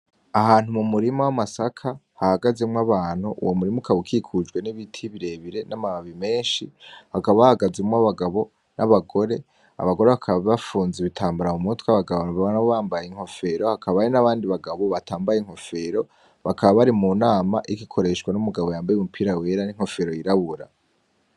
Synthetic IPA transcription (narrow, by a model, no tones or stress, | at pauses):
aɦaːnhumumuɾimowamasakʰahahaɡazemŋwaβaːn̥huʔṵwʔomuɾimukʰaβukʰikʰud͡ʒɡwe̞niβitʰiβiɾe̞βiɾe̞namaaβime̞ːʃihakaβaβahaɡazemŋaβaɡaβo̞ | nʔaβaɡo̞ɾe̞ | a̰βaɡo̞ɾeβakʰaβaβafuːnzeβitʰaːmbuɾamumutkwaβaɡaβonaβaβanaβoβaːmbajeiŋ̥ho̞fe̞ɾo̞hakʰaβaɾinaβaːndiβaɡaβo̞βatʰaːmbajeiŋ̥ho̞fe̞ɾo̞ | βakaβaβaɾimunaːmaʔikikʰo̞ɾe̞ʃɡwanumuɡaβo̞jaːmbajeumupʰiːɾawe̞ːɾaniŋho̞fe̞ɾojiɾaβuɾa̰